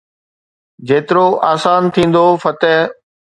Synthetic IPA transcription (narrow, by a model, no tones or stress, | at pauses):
d͡ʑeːt̪ɪɾoʔaːsaːnt̪ʰĩːn̆d̪ofɐt̪ɛɦ